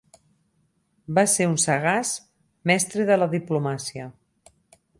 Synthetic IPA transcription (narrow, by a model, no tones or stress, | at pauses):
baseɾunsəɣas | mɛst̪ɾeðələðiplumasiə